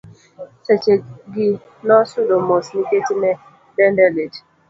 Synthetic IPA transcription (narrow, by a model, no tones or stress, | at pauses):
sɛt͡ʃeɡi | nɔsʊlomosniketinɛ | dɛndɛled͡ʒ